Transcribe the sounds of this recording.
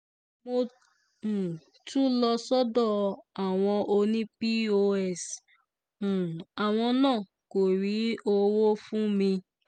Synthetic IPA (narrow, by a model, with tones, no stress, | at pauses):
mo˦˨ | tu˦lɔ˧sɔ˦dɔ˦˨a˨w̃ɔ̃˧ʔo˧nĩ˦pi˦o˦˧ɛ˦˨s̩˨ | a˨w̃ɔ̃˧nãː˦˨ | ko˨ɾi˨˦o˦wo˦fũ˦mĩ˧